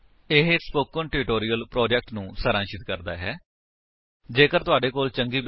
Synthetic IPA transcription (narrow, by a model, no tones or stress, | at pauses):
ɪɦspoːkə̃ɳʈɪɾɪʈoːɾiːəlpɾoːd͡ʒɛk̚ʈnũːsəɾãːʃɪt̪kəɾd̪a̰ːɦɛː | d͡ʒeːkəɾt̪ʊaːɖeːkoːlt͡ʃəŋɡiːb